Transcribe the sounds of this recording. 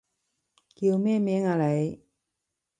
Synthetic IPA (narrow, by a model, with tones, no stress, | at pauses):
ki˧wmɛː˥˩mɛː˥˨ŋaː˨˧le˨˧j